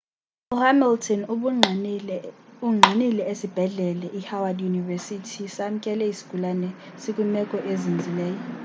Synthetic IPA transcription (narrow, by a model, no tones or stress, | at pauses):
uhamiltʰɔn | uŋ͡ǀʱanilɛesib̥ʱɛɮɛlɛʔihawadjunivɛsitʰisam̩kʼɛlɛisi̥ɡ̥ʱulanɛ | sikʼumɛkʼɔʔezind͡zʱilɛːjɔ